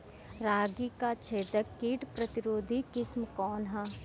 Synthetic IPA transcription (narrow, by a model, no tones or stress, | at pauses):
ɾaːɡikat͡ʃʰeːt̪əkːiːʈpɾɐt̪ɪɾoːd̪ʱikɪsmkɔːnɦɛː